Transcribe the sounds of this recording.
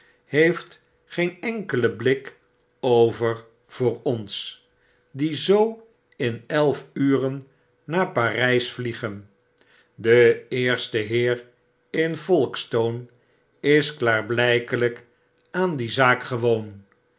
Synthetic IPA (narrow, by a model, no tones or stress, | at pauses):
hejft | χejnɛŋkələblɪk | owvəɹ | v̥ʊːɹɔns | dizow | ɪnɛlˠfyːrənː | aːɹpaːrɛjsfliχən | dəɪːɹstəɦɪːɹ | ɪnfɔlˠkstown | ɪsklaːɹblɛjkələk | aːndizaːkχəʋown